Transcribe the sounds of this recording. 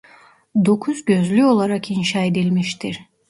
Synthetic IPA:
d̪o̞kʰuzɟø̞zlʲyo̞lˠaɾakʰinʃaed̪ilʲmiʃt̪ʰiɾ̥

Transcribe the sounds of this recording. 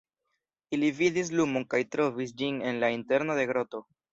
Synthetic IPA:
ilividis̬lumonkajtɾo̞vis̬d͡ʒine̞nlainte̞ɾno̞de̞ɡɾo̞to̞

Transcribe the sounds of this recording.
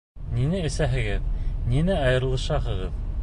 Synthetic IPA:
ninɘɘ̆sæɦɘ̆ɡɘðninɘɑjɤ̆ɾ̆lˠɤ̆ʃɑɦɤ̆ʁɤð

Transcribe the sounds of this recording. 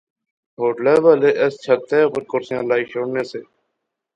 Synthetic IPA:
ɦoːʈlɛːʋaːleːʔɛst͡ʃʰət̪eːopəɾkʊɾsɪjãːlaːiːʃoːɳneːseː

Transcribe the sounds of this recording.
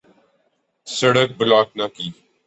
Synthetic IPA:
səɽək̚bɪlaːk̚nakiː

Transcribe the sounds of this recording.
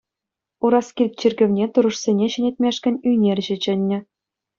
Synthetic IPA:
uɾɑskʲirʲt̚ʲt͡ɕirʲɡʲɘ̆ʋʲnʲet̪uɾɤ̆ʂsʲenʲeɕɘ̆nʲet̚ʲmʲeʂkʲɘ̆nʲyjnʲerʲʑɘ̆t͡ɕɘ̆nʲːɘ̆

